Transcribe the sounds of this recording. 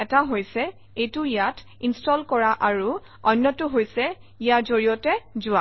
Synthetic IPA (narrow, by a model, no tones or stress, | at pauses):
ɛtaɦojsɛ | ejtʊijatʰ | instɔlkɔɹaʔaɹu | ɔjnːɔtʊɦojsɛ | ijaɹzoɹijɔtɛzʊa